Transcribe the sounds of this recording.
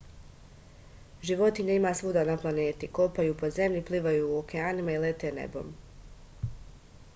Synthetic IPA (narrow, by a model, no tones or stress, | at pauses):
ʒiʋo̞t̪iɲaimasʋuːd̪anaplˠane̞ːt̪ikopajuːpo̞ze̞mʎʲipliːʋajuːokeaːnimailet̪enḛbo̞̰ːm